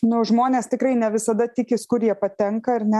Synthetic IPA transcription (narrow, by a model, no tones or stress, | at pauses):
nʊʒmoːnʲeːst̪ʲɪkrɐɪnʲɛʋʲɪsɐd̪ɐt̪ʲɪkʲɪskʊɾjiɛpɐt̪ʲɛŋkɐɐɾnʲɛ